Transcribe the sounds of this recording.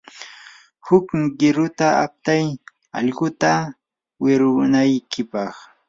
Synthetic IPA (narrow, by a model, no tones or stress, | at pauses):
hʊkmɢɪɾʊt̪aa̰p̚t̪aj | ɑ̰ʎɢʊt̪a | wɪɾʊnajkʰɪpɑχ